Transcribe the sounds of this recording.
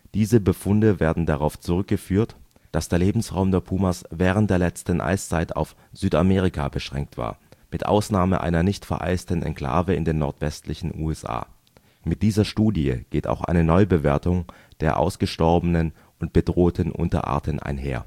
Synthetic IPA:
d̥iːzəbəfʊndəveːɐdn̩daʁaʊft͡suʁʏk̚ɡ̥əfyːɐt | d̥asd̥eːɐleːbm̩sʁaʊmdeːɐpʰuːmɐsvɛːʁ̞əntd̥eːɐlɛt͡stən̩ʔa̰ɪst͡saɪta̰ʊf | z̥yːtameːʁ̞ikʰa̰bəʃʁ̥ɛ̰ŋk̚tv̥a̰ːɐmɪtʔa̰ʊsnaːməʔa̰ɪnɐnɪçtfɛ̰ɐʔa̰ɪstən̩ɛ̰nkʰl̥a̰ːvəɪndeːnɔɐtv̥ɛstlɪçn̩ṵːɛsʔa̰ː | mɪt̚d̥iːzɐʃtuːdiəɡ̥eːta̰ʊxʔa̰ɪnənɔʏbəveːɐtʊŋ | d̥eːɐʔa̰ʊsɡ̥əʃtɔɐbənən | ʔʊnt̚b̥ədʁoːtʰən̩ʔʊ̰ntɐ̰ʔa̰ːɐtənʔa̰ɪnɦḛːɐ

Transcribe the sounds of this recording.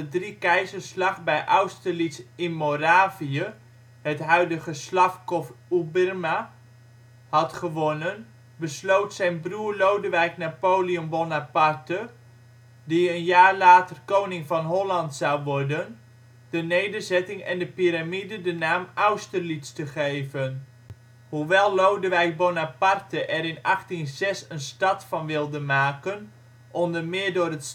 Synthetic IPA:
dədrikɛjzərslɑχbɛjʔawstərlitsɪnmoraːviə | hətɦœɥdəɣəslɑfkɔfubərma | hɑtχəʋonən | bəslowtsɛjnbruːrlowdəʋɛjknapoːliombonapartə | diənjaːɹlaːtərkownɪŋfɑnɦɔlɑntsɑwʋɔɹdən | d̥ənejdərzɛtɪŋɛ̰ndəpiɾamidədənaːmawstərlitstəχejvən | huʋɛlˠlowdəʋɛjk̚bonapartəʔɛɾɪnɑxtinzɛsənstɑtfɑnʋɪlˠdəmaːkən | ʔɔmdəmɪːɹdʊːrət

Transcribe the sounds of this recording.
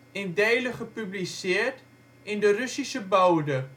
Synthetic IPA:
ɛndɛjləχəpyblisɪərt | ɪndərysisəbœwdə

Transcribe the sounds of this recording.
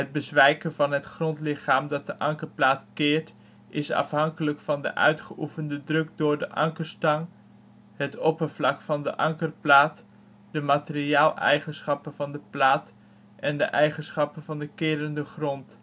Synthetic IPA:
ɦəd̚bəzʋɛjkənvɑnɦətχrɔntlɪχaːmdɑt̚dəʔɑŋkəɹplaːtkɪːɹt | ʔɪsɑ̰fɦɑŋkələkfɑndə̰ʔœ̰ɥtχəʔufəndədrɵkdʊːɹdəʔɑŋkəɹstɑŋ | ɦətɔpəɹvlɑkfɑndəʔɑŋkərplaːt | dəmaːtɪriaːlˠɛ̰jχənsχɑpənvɑndəplaːt | ʔɛndə̰ʔɛjχənsχɑpənvɑndəkɪːɾəndəχrɔnt

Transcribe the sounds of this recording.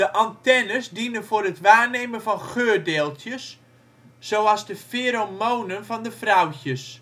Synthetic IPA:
dəʔantɛnəsdinənfʊːɾətʋaːnejmənfɔnχøːrdeːlˠtʰjəsː | owɑzdəfeːɾomoːnənvɔndəfrawçəs

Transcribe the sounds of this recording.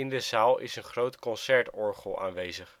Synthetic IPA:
ɪndəzaːlˠɪ̰sənχrowtkɔnsɛɹtɔɹχəlˠa̰ːnʋejzəχ

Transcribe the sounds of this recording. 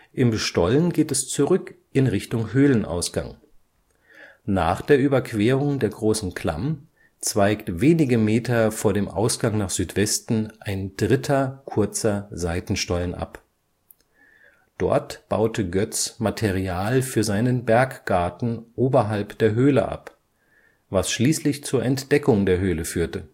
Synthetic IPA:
ʔɪmʃtɔlənɡeːtɛst͡suʁʏk | ʔɪnʁɪçtʊŋɦøːlənʔa̰ʊsɡ̥a̰ŋ | na̰ːχd̥eːɐʔyːbɐkʰv̥eːʁʊŋdeːɐɡʁoːsn̩kʰl̥a̰m | t͡sv̥aɪktveːnɪɡəmeːtɐfoːɐɾeːmʔa̰ʊsɡ̥aŋnaːχz̥yːtv̥ɛstn̩ʔaɪnd̥ʁɪtʰɐkʰʊɐt͡sɐzaɪtn̩ʃtɔlənʔa̰p | d̥ɔ̰ɐtb̥a̰ʊtʰəɡœt͡smatʰeʁiaːlfyːɐzaɪnənbɛɐkɡ̥aɐtn̩ʔoːbɐɦalpd̥eːɐɦøːlə̰ʔa̰p | vasʃliːslɪçt͡suːɐʔɛntd̥ɛkʊŋdeːɐɦøːləfyːɐtə

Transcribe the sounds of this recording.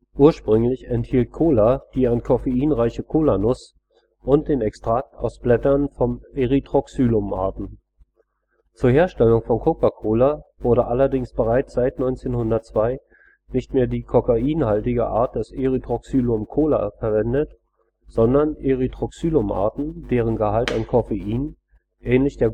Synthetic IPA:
ʔuːɐʃpʁ̥ʏŋlɪçɛnthiːlt̚kʰoːlad̥iːankʰɔfeiːnʁaɪçəkʰoːlanʊs | ʔʊnt̚d̥eːnɛkstʁ̥ak̚ta̰ʊsb̥lɛtɐnfɔneʁitʁ̥ɔksyːlʊmʔa̰ɐtn̩ | t͡suːɐheːɐʃtɛlʊŋfɔnkʰokakʰoːlav̥ʊɐɾəʔalɐdɪŋsb̥əʁaɪt͡sz̥aɪtnɔʏnt͡seːnhʊndɐtt͡sv̥aɪ | nɪçtmeːɐdiːkʰɔkaʔiːnhaltɪɡə̰ʔaːɐt̚d̥ɛseʁitʁ̥ɔksyːlʊmkʰoːla̰fɛɐvɛndət | z̥ɔndɐneʁitʁ̥ɔksyːlʊmʔa̰ɐtn̩d̥eːʁənɡəhaltankʰɔfeʔiːn | ʔɛːnlɪçd̥eːɐ

